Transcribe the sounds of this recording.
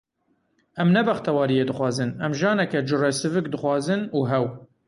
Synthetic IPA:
ɛmnɛbɛxt̪ʰɛwɑːɾijeːd̪ɨxwɑːzɨnɛmʒɑːnɛkɛd͡ʒɨrɛsɨvɨk̚d̪ɨxwɑːzɨnuːɦɛw

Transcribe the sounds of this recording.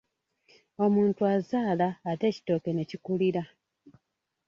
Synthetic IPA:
o̞muːntuazaːlaːte̞ːci̥to̞ːke̞ne̞cikuliɾa

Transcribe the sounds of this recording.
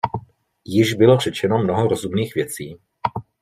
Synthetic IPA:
jɪʒbɪlor̝̥ɛt͡ʃɛnomnoɦoɾozumniːxvjɛt͡siː

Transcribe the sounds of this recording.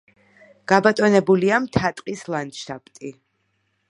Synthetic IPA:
ɡ̥abat̪ʼɔnɛbuliamt̪ʰat̪ʼqʼislˠant̪ʃt̪ʼapʼt̪ʼi

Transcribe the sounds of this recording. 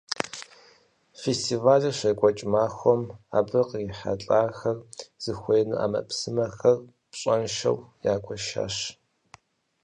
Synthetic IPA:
festʰivaːɮɐɕɐkʷʼɔt͡ʃʼmaːxʷɔma̰ːbɨqɪħa̰ɬʼaːrxɐrz̥ɨxʷejnɨ̰ʔa̰ːmɐ̰psɨmɐxɐr | pɕʼɐnʃɐ̰wjaːkʷʼɔʃa̰ːɕ

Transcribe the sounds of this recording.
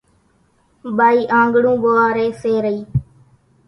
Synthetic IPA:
ɓaːiːʔãːŋɡɽũːɓoaːɾeːseːɾəiː

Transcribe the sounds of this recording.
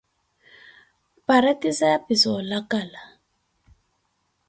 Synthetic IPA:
paɾatisajapisɔlakala

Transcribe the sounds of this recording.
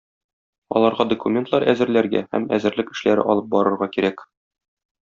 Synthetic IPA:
ɒ̰lˠɑɾʁɑd̪ŏkumʲent̪lˠɑɾæzɘ̆ɾlæɾɡæ̰hæ̰mæ̰zɘ̆ɾlɘkɘ̆ʃlæɾɘ̰ʔɒlˠɤp̚bɒɾɤ̆ɾʁɑkiɾæk

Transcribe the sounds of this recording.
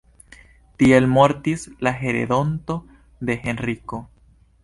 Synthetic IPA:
t̪ielmo̞ɾt̪islaɦe̞ɾḛd̪o̞nt̪o̞ | d̪e̞xe̞nriko̞

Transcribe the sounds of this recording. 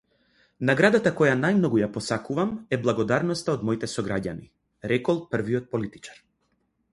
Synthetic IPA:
naɡɾad̪at̪akɔjanajmnɔɡujapɔsakuvamɛblˠaɡɔd̪aɾnɔst̪aɔd̪mɔjit̪ɛsɔɡɾaɟa̰ni | ɾɛkɔlˠpr̩viɔt̪̚pɔlit̪it͡ʃḁɾ

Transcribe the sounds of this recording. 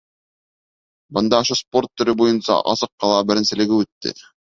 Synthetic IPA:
bɤnd̪ɑoʃosport̪ːɵ̆ɾɘbojɤnsɑ̰ʔɑ̰sɤqːɑlˠɑbɘ̆ɾɘnsɘlɘɡɘʉt̪ːɪ̰

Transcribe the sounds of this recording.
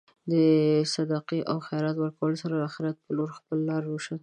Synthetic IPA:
d̪əsad̪ɑqeʔawxajɾɑt̪wəɾkawəlosaɾalaxɪɾjat̪̚pəloɾxpəlːɑɾwoʃa

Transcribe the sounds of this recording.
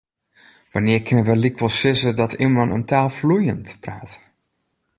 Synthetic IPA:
ʋanɪərkʰɪnəʋəlikʋɔlˠsɪsədɔtʰimənə̰ntaːlˠflujəntpraːt

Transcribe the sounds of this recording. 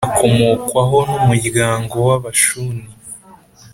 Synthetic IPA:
akʰo̞mokwaɦo̞numuɟɡaːŋɡo̞waβaʃuni

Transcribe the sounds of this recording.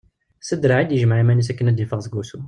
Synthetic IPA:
səd̪ɾaʕid̪jəʒməʕimænusækːənæd̪ifɑʁzɡusu

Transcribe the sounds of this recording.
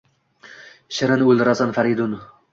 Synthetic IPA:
ʃɪɾanolɾasanfaɾid̪ʊn

